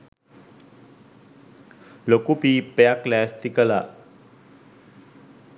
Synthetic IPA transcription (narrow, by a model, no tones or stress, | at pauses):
lokupipejaklɛːst̪ikəla